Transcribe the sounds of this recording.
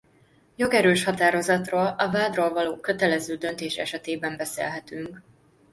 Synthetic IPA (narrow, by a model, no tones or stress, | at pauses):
jo̞ɡɛɾøːʃhɒt̪aːɾo̞zɒt̪roːlɒvaːd̪roːlvɒloːkø̞t̪ɛlɛzøːd̪ønt̪eːʃɛ̰ʃɛt̪eːbɛmbɛsḛːlɦɛt̪yŋk